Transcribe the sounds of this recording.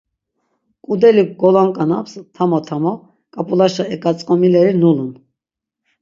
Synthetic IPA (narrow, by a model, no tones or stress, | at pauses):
kʼud̪ɛliɡɔlaŋkʼanapst̪ʰamɔt̪ʰamɔ | kʼapʼulaʃaɛkʼat͡sʼkʼɔmilɛɾinulun